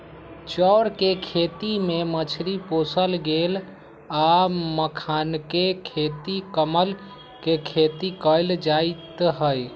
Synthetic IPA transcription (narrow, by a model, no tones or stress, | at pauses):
t͡ʃɔːɾkekʰet̪imemət͡ʃʰɾiposəlɡel | aməkʰankekʰet̪ikəməl | kekʰet̪ikəɪld͡ʒaɪt̪ɦəj